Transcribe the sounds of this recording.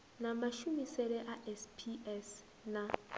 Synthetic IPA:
namaʃumisɛɾɛʔaʔɛspʰiɛs | na

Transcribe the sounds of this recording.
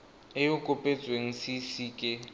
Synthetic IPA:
ɪjokʼopʼet͡sʼweŋ̩sisiːkʼɪ

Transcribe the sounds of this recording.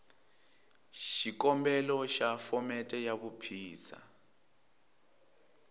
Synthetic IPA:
ʃikɔmbɛlɔʃafɔmɛtʼɛjaβupʰiːsa̰

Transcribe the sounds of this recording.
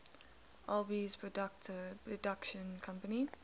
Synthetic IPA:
ʔalbizpʰɹɔdak̚tpʰɹɔdakʃə̃nkʰãmpəni

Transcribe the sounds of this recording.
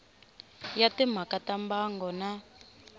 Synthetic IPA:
jatɛm̤akatambaŋɡɔna

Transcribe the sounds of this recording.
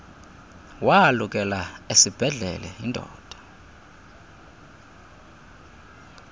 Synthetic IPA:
waluk̬ʼɛlaesib̥ʱɛɮɛ̰lɛindʼʱɔ̰ːd̥ʱḁ

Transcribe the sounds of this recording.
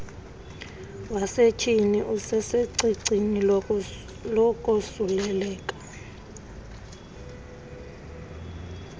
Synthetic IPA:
waset͡ʃʰiniʔusɛseǀiǀʱini | lɔkʼosulɛlɛːkʼḁ

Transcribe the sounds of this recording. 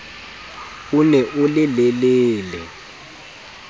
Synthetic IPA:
unɛʔulɪlɛleːlɛ̰

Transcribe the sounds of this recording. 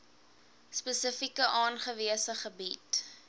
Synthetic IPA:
spəsəfikəʔɑːnχəviəsəχəbit

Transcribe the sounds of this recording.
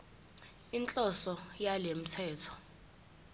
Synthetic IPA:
int͡ɬʼɔsɔjalem̩tʰɛːtʰɔ̥

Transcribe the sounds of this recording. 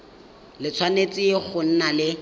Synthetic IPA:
lɪt͡sʰwanet͡sʼɪek͡xʰʊn̩nalɪ

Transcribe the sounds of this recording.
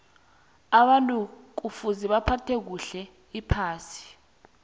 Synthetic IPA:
aɓantʼuk̬ufuziɓapʰatʰek̬uɬɛ | ipʰaːsi̥

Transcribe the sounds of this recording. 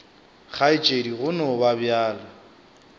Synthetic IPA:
χʰaɪt͡ʃʼediɣʊnɔbabjaːla

